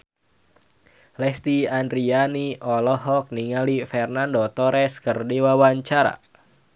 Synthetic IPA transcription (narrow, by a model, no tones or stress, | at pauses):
lɛst̪iandɾianiʔɔlɔɦɔk̚niŋalifɛrnandot̪ɔɾɛskərdiwawaɲt͡ʃaɾa̰